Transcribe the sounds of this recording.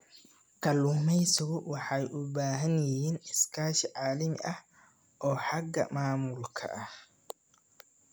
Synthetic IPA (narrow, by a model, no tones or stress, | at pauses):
kʰɐlʊmɛjsɔɣʊwɑħɑjʔʊbaːɦɐnjɪhiːnɪskʰaːʃɪʕaːlɪmɪ̰ʔɐh | ʔɔːħɑɡɐ̰maːmʊlkʰɐ̰ʔɐh